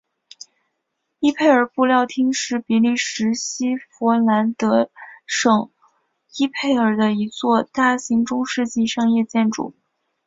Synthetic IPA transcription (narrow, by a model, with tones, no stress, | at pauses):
i˥pʰe˥˩ɪə˞˨˩pu˥˧ljɑ˥˩ʊt̪ʰi˥ŋʂɻ̩˥˩pi˧˥li˥˩ʂɻ̩˧˥ɕi˥fɔ˧˥la˧˥nt̪ɤ˧˥ʂɤ˨˩ŋ | i˥pʰe˥˩ɪə˞˨˩d̪ə˦i˧˥t͡swɔ˥˧t̪a˥˩ɕi˧˥ŋʈ͡ʂʊ˥ŋʂɻ̩˥˧t͡ɕi˥˧ʂɑ˥˧ŋjɛ˥˧t͡ɕjɛ˥˩nʈ͡ʂṵ˨˩˦